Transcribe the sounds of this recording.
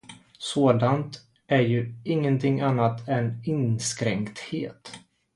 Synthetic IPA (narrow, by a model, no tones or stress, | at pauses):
soːd̪ant̪ | ʔæɾjɵɪŋːənt̪ʰɪŋanːat̪ɛnɪnskɾɛŋkt̪heːt̪